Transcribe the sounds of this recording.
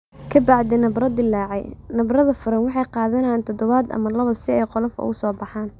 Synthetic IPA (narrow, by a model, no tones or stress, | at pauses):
kʰɐbɑʕd̪ɛnɐbrɐd̪ɪlːɑːʕɛ̰jnɐbrɐðɐfʊɾɐnwɑħɑjqɑːðɐnɐjaːnt̪ʰɔd̪ɔβad̪ɐ̰mɐlɐβɐsɪɛjqɔlɔfɔ̰ɣʊsɔːbɑħɑːn